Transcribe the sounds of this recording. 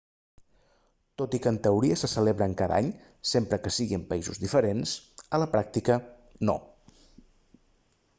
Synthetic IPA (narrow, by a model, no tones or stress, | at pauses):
t̪ot̪ikənt̪əuɾiəsəsəleβɾəːŋkaða̰ɲ | sempɾəkəsiɣimpəizṵzðifəɾensələpɾak̚t̪ikə | no̰